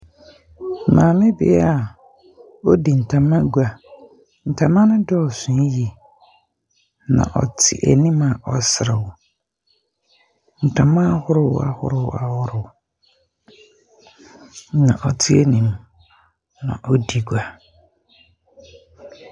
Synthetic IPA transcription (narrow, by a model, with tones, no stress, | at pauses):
mãː˨mɪ̃˦bḭ˨˦a˨ | o˦di˨n̩˨tʰa˨mã˦ɡu˦a˨ | n̩˨tʰa˨mã˦nʊ̃˦dɔ˦ɔ˨sʊ̃˨˦ji˨ | nã̰˨ʔɔ̰˨tʰɪ̰˨ʔæ̰˨nĩ˦ma˨ʔɔ˨sɪ˨ɾɪ˨wʊ˨ | n̩˨tʰã˨mã˦hʊ˦ɾʊ˦wa̰˨hʊ̰˦ɾɪ˦˨w̰a˨hʊ˦ɾɪ˨w | nã˨ʔɔ˨tʰɪ˦e˦nĩ˨m | nã̰˨ʔɔ˦di˨ɡu˨a˨